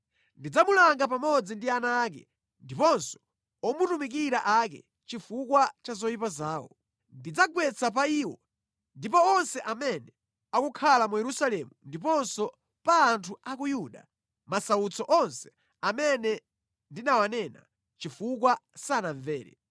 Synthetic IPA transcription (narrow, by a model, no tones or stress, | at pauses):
ndid͡zamulaŋɡap̬amɔd͡zindianaːk̬ɛ̰ | ndipɔnsɔ̥ | ɔmutumik̬iɾaʔak̬ɛ̰ | t͡ʃifukwat͡ʃazɔjipazaːwɔ̰ | ndid͡zaɡwɛt͡sʰap̬aiːwɔ | ndipɔɔnsɛʔamɛnɛ | akukʰalamujɛɾusalɛmundip̬ɔnsɔ | paːntʰuakujuɗa̰ | masaut͡sʰɔʔɔnsɛ̥ | amɛnɛ | ndinawanɛna̰ | t͡ʃifuk̬wasanaɱvɛːɾɛ̰